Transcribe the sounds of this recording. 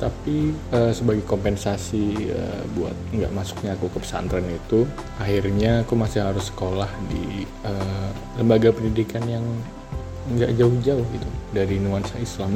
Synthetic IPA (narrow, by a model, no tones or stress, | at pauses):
t̪apiəsəbaɡajkompɛnsasiə̰bua̰t̪̚ŋɡa̰ʔmasu̥k̚ɲaːkukəpə̥sa̰nt̪ɾanit̪u | aɦirɲaːkumasɪɦaɾʊsːə̥kolahdḭ | ə | ləmbaɡapəndidikanjaŋ | əŋɡaʔd͡ʒaʊhd͡ʒaʊhit̪udaɾinuansaislam